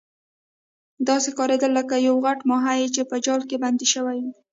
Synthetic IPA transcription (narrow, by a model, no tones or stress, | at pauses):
d̪ɑsekɑɾed̪əlːəkajawɣaʈmɑɦajet͡ʃepəd͡ʒɑlkeband̪iʃəwaj